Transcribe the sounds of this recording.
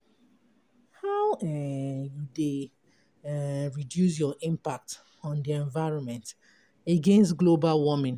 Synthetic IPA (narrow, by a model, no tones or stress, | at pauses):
hawɛjude | ɹidjus̬jɔʔĩmpak̚t | ɔ̃ndiɛ̃nvaɪɹɔ̃nmɛ̃nt | eɡẽnstɡlobalwɔmĩn